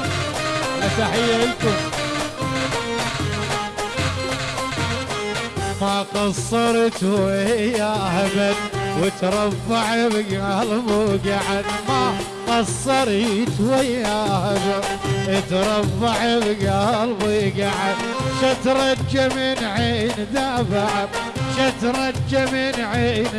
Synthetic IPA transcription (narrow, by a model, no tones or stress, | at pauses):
ʔat̪aħɪjːaɪlkʊm | maqɑsˤːɑɾˤt̪wajahabad̪wɪt̪ɾˤɑbːaʕbɡaːlbuɡaʕad̪ma | qɑsˤːɑɾˤit̪wajahabaɪt̪ɾˤɑfːaʕbɡalbiːɡaʕad̪ʃat̪ɾˤɑd͡ʒːaminʕeːnd̪aːbaʕa | ʃat̪ɾˤɑd͡ʒːaminʕeːn